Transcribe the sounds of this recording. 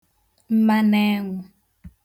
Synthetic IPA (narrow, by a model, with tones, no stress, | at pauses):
m̩˦ma˦nɛː˦ŋɔ˨